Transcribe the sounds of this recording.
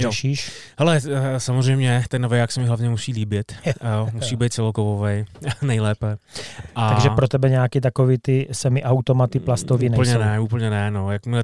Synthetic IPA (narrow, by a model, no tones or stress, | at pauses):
ɛʃiːʃɦhɛlɛsamor̝ɛjmɲɛt̪ɛnːovɛjaksɛmɪɦlavɲɛmusiːliːbɪt̪musiːbɛjt̪̚t͡sɛlokovovɛjnɛjlɛːpɛʔat̪aɡʒɛpɾot̪ɛbɛɲaːkɪt̪akovɪt̪ɪsɛmɪʔawt̪omat̪ɪplast̪ovinɛl̩ɲɛnɛuːpl̩ɲɛnɛnojakmɪɛ